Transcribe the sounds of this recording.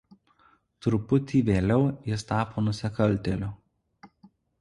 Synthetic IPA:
t̪ɾʊpʊt̪ʲiːʋʲeːlʲɛʊjɪst̪ɑːpoːnʊsʲɪkɐlʲˑt̪ʲɛlʲʊ

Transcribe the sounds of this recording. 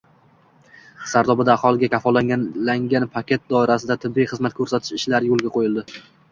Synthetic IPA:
saɾd̪ɒbɪd̪aːχɒlˠɪɡʲakʲʰafɒlaŋʲalaŋɡʲanpʰakʲe̞t̪̚d̪ɒɪɾasɪd̪at̪ʰɪbːijχɨzmat̪̚kʰɵɾsat̪ʰɪ̥ʃɪʃlaɾɪjolˠɡʲaqʰojɪlˠd̪ɪ

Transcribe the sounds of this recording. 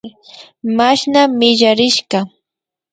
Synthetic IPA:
maʃnamɪʎaɾɪʃɢɑ

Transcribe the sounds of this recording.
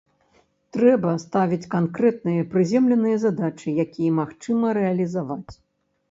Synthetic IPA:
t̪ɾɛbɐst̪avʲit͡sʲkankɾɛt̪nɨjɐpɾɨzʲɛmlʲɛnɨjɐzad̪at͡ʂɨjakʲijɐmaxt͡ʂɨmɐɾɛɐlʲizavat͡sʲ

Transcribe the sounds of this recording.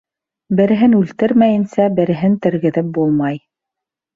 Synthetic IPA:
bɘ̆ɾɘ̆ɦɘnʉlt̪ɘɾmæjɘ̆nsæbɘ̆ɾɘ̆ɦɘnt̪ɘ̆ɾɣɘ̆ðɘp̚bulˠmɑj

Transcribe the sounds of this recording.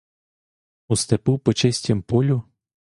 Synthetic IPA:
ust̪ɛpupɔt͡ʃɛsʲtʲɐmpɔlʲʊ

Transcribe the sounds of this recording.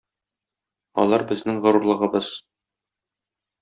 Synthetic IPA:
ɒ̰lˠɑɾbɘ̆znɘŋʁɤ̆ɾuɾlˠɤ̆ʁɤ̆bɤz̥

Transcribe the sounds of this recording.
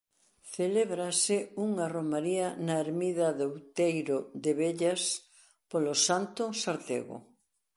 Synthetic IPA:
θeleβɾasɪuŋaromaɾianaeɾmiðɐðowt̪ejɾoðeβeʎas | polosant̪ʊsaɾt̪ḛɣo̰

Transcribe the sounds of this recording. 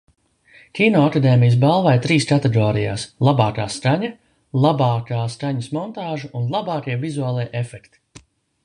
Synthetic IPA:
kʲiːnɔːakad̪eːmijəs̬balˠvajt̪ɾiːskat̪ɛɡɔːɾija̰ːslˠabɑːkaːskaɲa | lˠabɑːkaːskaɲɐsmɔnt̪aːʒuʔunlˠabɑːkiɛvizuaːlˠiɛʔefɛkt̪i̥

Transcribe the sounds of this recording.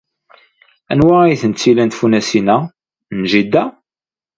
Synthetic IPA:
ænwæijθənt͡sːilænt̪funæsinæ | nʒid̪ːæ

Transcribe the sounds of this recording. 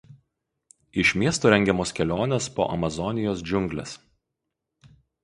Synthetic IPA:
ɪʃʲmʲiɛst̪oːɾʲɛŋʲɡʲɛmoːskʲɛlʲoːnʲɛspo̰ːʔɐ̰mɐzɔnʲɪjoːsd͡ʒʲʊŋʲɡlʲɛ̰s

